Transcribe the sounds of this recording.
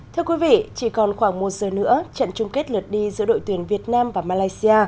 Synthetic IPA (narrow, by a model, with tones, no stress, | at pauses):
t̪ʰɨ˧əkwi˨˦vḭ˧˨t͡ɕi˧˩kɔ˨˩nxwaː˧˩ŋmo˨˩t̚zəː˨˩nɨ̰˧˥ət͡ɕə̰˧˨nt͡ɕʊ˧ŋ͡mke˦˥t̚lɨ˨˩t̚ɗi˧zɨ̰˧˥əɗo̰˧˨t̪wənvi˨˩ət̚naː˧mvaː˨˩maː˧laː˧jsi˧aː˧